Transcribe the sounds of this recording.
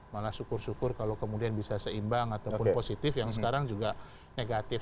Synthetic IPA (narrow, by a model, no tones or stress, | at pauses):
malasukʊrsukʊrkalawkəmudianbisasəimbaŋat̪awppʊnposit̪ɪfjaŋsə̥kaɾaŋd͡ʒuɡa | neɡat̪ɪ